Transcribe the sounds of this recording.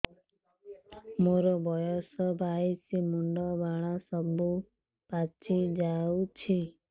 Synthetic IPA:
moɾɔbɔjɔsɔbʱajsimuɳɖɔbaɭ̃asɔbu | pat͡ʃʰid͡ʒawt͡ʃʰi

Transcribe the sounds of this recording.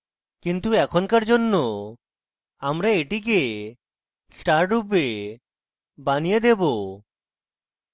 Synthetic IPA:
kint̪uɛkʰɔnkaɾd͡ʒonːɔ | amɾeːʈike | sʈaɾʈupe | banijed̪ɛbo

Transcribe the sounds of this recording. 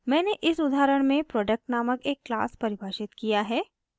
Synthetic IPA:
mɛ̃ːneʔɪsʊd̪ʱaːɾəɽ̃mẽpɾɔːɖək̚ʈnaːməkeːkːla̰ːspɐɾɪbʱaːʃɪt̪kijaɦɛː

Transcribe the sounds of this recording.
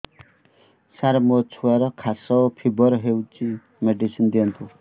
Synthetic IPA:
saɾamɔt͡sʰuaɾʌkʰasɔpʰibɔɾɦewt͡si | meɖisind̪int̪ʰu

